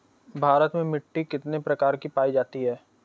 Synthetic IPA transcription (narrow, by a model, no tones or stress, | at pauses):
bʱaːɾət̪mẽmɪʈːikɪt̪nepɾɐkaːɾkipaːid͡ʒaːt̪iɦɛː